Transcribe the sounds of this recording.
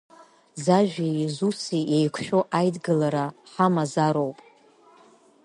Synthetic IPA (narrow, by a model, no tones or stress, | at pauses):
zaʒᶣijzusijejkʷʰʃᶣoʔajdɡəlaɾaħamazaɾo̞wpʼ